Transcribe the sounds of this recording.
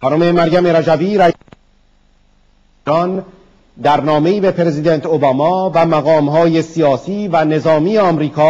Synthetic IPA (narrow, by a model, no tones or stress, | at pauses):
xɒːnome̞mæɾɡæme̞ɾæd͡ʒæbiːɾæ | ɒn | d̪æɾnɒːme̞iːbepʰeɾe̞zid̪ent̪ʰobɒːmɒːvæmæɣɒːmɦɒːjesijɒːsiːvæne̞zɒːmijeɒːmɾiːkʰɒː